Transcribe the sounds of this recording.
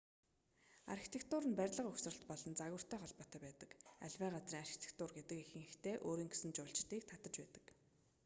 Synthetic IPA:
a̰rxi̥t̪ʰekt̪ʰʊːɾə̆npærʲɮə̆qɵxsrə̆ɬt̪̚pɔɮɞ̆nt͡saɣʊ̆r̥t̪ʰæːχɔɮpɔːt̪æːpæːt̪ə̥̆ka̰ɮʲwæːɢat͡sriːŋarxi̥t̪ʰe̥k̚t̪ʊrɡet̪ɘ̆kexɘ̆ŋxext̪ʰeːʔoːɾiːŋɡesɘ̆nt͡ɕʊːɮɬt͡ɕt̪iːk̚t̪ʰat̪ə̆t͡ɕpæːt̪ə̥̆k

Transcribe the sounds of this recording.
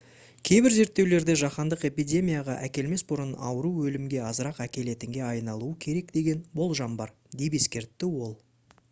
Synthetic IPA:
kʲʰe̞jbɪɾze̞ɾt̪ːe̞wle̞ɾd̪ɪʒɑqɑnd̪əqe̞pijdʲe̞mʲijaʁɑʔækʲe̞lme̞sbʊɾənɑ̰wəɾuwɵlɪmɡʲe̞ɑzəɾɑqækʲe̞le̞t̪ɪŋɡʲe̞ɑjnɑlˠuəkʲʰe̞ɾe̞k̚d̪e̞ɡʲe̞nbo̞lˠʒɑmbɑɾ | d̪ejp̬e̞skʲe̞ɾt̪ːɪwo̞lˠ

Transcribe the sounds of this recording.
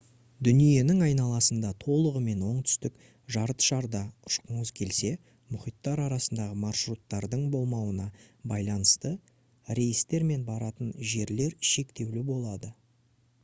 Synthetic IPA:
d̪ʏnije̞nɪŋɑjnɑlˠɑsənd̪ɑt̪ʰo̞lˠəʁəme̞nwo̞ɴt̪ʰʏ̥st̪ɪk | ʒɑɾət̪ʃɑɾd̪ɑʊʃqəɴəzkʲʰe̞lse̞ | mʊχijt̪ːɑɾɑɾɑsənd̪ɑʁəmɑrʃɾut̪ːɑɾd̪əɴbo̞lˠmɑwənɑbɑjlˠɑnəst̪ə | ɾe̞jɪst̪ːe̞ɾme̞nbɑɾɑt̪ənʒe̞ɾle̞ɾʃe̞kt̪e̞wlɪbo̞lˠɑd̪ə

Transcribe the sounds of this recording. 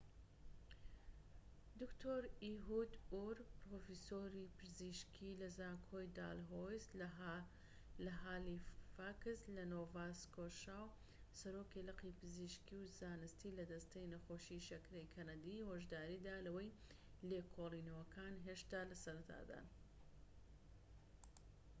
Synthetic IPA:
d̪ukt̪ʰoːɾiɦud̪uɾpɾofisoːɾipɨziʃkʰilɐzaːŋkʰojd̪a̰ːlɦojs | lɐɦaːlifakɨslɐnoːvaːskoʃaːw | sɐɾoːkilɨqipɨziʃkiwzaːnɨst̪iːlɐd̪ɐst̪ejnɐxoːʃiʃɐkɾejkʰɐnɐd̪ihoʒd̪aːɾiːd̪aːlɐwɐj | leːkʰolˠinɐwɐkʰaːnɦeʃt̪aːlɐsɐɾɐt̪ʰa̰ːd̪a̰n

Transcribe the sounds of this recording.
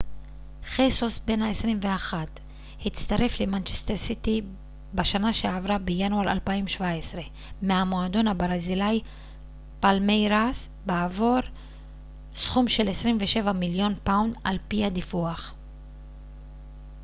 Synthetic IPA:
χesosbe̞nhaesʁimve̞aχat̪ | hit͡st̪aʁe̞flemant͡ʃest̪eʁsit̪i | baʃanaʃeavʁabejanuaʁa̰lpaimʃvaesʁe̞ | meamo̞ad̪o̞nhabʁazilaj | palmejʁas | beavoɾ | sχumʃe̞lesʁimveʃe̞vamiljo̞npawnd̪alpihad̪ifuaχ

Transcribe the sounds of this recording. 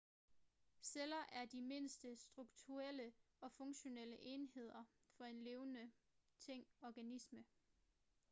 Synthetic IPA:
selɐʔæɐd̥ime̝nsd̥əsd̥ʁuɡ̥̚t͡sʰuʁel̰ə | ɒ̽fɔ̽ŋɕo̝nel̰əʔe̝ːnhe̝ð̞̰ˠɐ | fɒ̽e̝nle̝ːʊnə | t͡sʰeŋ̰ɒɡ̥ænismə

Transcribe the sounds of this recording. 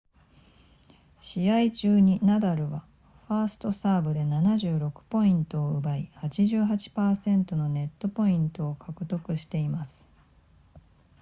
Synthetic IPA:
ɕiait͡ɕɨːɲ̟inad̪aɾɯ̟βa | ɸaːsɨ̥t̪o̞saːbɯ̟d̪e̞nanaʑɨːɾo̞kɯ̟̥po̞ĩnt̪o̞ːɯbaihat͡ɕiʑɨːɦat͡ɕi̥paːsẽ̞nt̪o̞no̞ne̞t̪ːo̞po̞ĩnt̪o̞ːkʰakɯ̟t̪o̞kɯ̟ɕi̥t̪e̞imasɨ̥

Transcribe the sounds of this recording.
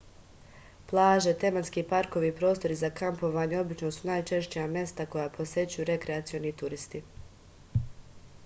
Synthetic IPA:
plˠaːʒe̞t̪e̞manskiːpaɾko̞ʋipɾo̞ːst̪o̞ɾizakampo̞ʋaːɲeo̞bit͡ʃno̞sunajt͡ʃe̞ʃt͡ɕijamje̞st̪ako̞japʰo̞sje̞t͡ɕujuɾe̞kɾeat̪sio̞nit̪uɾist̪i

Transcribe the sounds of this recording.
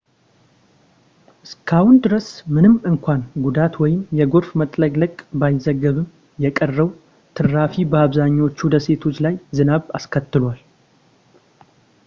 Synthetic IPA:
ʔɨskʰawʊnd̪ɨɾəsmɨnɨmːɨŋkʷanɡud̪at̪wɔjɪmjɛɡo̞ɾfmət̪ʼləɡʼləkʼbajɪzəɡːəβɨm | jɛkʼərːəw | t̪ʰɨɾːafibəaβzaɲːawot͡ʃːud̪əse̞t̪ʰo̞t͡ʃːlajzɨnaβa̰skʰət̪ːɨlwal

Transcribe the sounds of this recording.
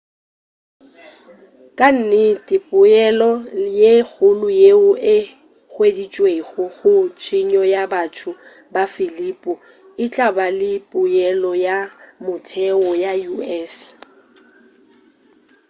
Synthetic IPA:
kʼan̩nɪtʼɪpʼʊɛlɔjek͡xʰʊlʊjeʊʔɪ | χwedit͡ʃʼweɣʊɣʊt͡ʃʰɪɲɔjabatʰʊ | bafɪlipʼʊ | ɪt͡ɬʼabalɪpʼʊjɛlɔjamʊtʰɛɔjajuɛːs

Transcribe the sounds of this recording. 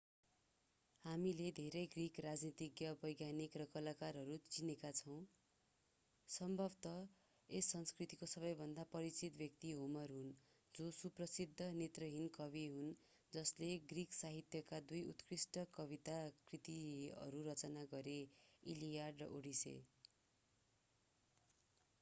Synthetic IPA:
hamiled̪ʱeɾʌjɡrikrad͡znit̪iɡjʌbʌjɡjanikrʌkʌlakarɦʌɾut͡sinekat͡sʰʌw̃ | sʌmbʱʌbt̪ʌ | esːʌnskrit̪ikosʌβʌjbʱʌnd̪apʌɾit͡sit̪bjʌkt̪iɦumʌrɦun | d͡zosuprʌsid̪ʱːʌnet̪rʌɦinkʌβiɦun | d͡zʌsleɡriksaɦit̪jʌkad̪ujṵt̪krisʈʌkʌbit̪akrit̪iʌ̰ɾuɾʌt͡sʌnaɡʌɾeilijarɖrʌʔoɽisḛ

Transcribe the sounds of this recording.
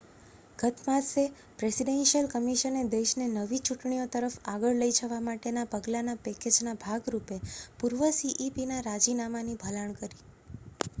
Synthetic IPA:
ɡ̥ət̪mase | pɾesiɖenʃəlkəmiʃəned̪eʃnenəʋit͡ʃuʈɳijot̪əɾəfaɡəɭləid͡ʒəʋamaʈenapəɡlanapɛked͡ʒnabʱaɡɾupepuɾʋəsiʔipinaɾad͡ʒinamanibʱəlaɳ̃kəɾi

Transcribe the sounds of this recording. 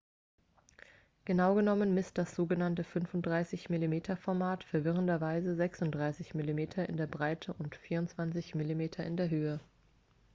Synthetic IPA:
ɡ̥ənaʊɡənɔmənmɪstd̥asz̥oːɡənantəfʏnfʊnt̚d̥ʁaɪsɪçmilimeːtʰɐfɔɐmaːtfɛɐvɪʁəndɐvaɪzəzɛksʊntd̥ʁaɪsɪçmilimeːtʰɐɪ̰ndeːɐbʁaɪtʰəʔʊntfiːɐʊnt͡sv̥ant͡sɪçmilimeːtʰɐɪndeːɐɦøːə

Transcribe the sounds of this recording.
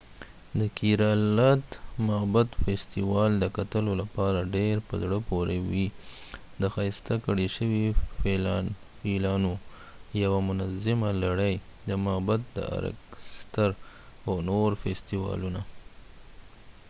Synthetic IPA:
d̪əkiɾɑlat̪mabat̪fest̪iwɑld̪əkat̪əlolapɑɾaɖeɾpəzɽəpoɾewi | d̪əxɑjst̪akaɽeʃəwifeln | felɑno | jawamʊnazɪmalaɽəjd̪əmabat̪̚d̪ə̰a̰ɾa̰kst̪aɾ | awnoɾfest̪iwɑ̰luna

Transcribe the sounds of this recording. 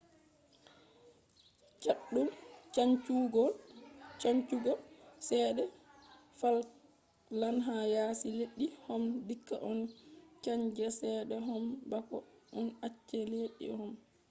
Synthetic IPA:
t͡ʃaɗːult͡ʃaɲt͡ʃuɡɔlt͡ʃaɲt͡ʃuɡɔsɛːɗɛ | fal | lanɦajaːsileɗːihɔmdikːa̰ʔɔnt͡ʃaɲd͡ʒɛsɛːɗɛɦɔmbakɔ̰ʔɔnat͡ʃːɛleɗḭhɔm

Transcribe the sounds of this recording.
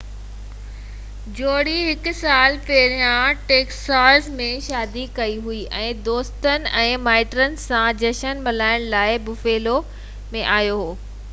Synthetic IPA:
d͡ʑoːɽiɦɪkʊ̆saːlpeːɾijãʈeːksaːɾzmẽʃaːd̪ikɐiɦuiʔɛ̃ːd̪oːst̪ənɪ̆ɛ̃ːmaːɪʈɾənɪ̆sãd͡ʑɐʃənmɐlaːɪɽ̃laːɪbʊfeːlo | mẽʔaːɦjoɦoː

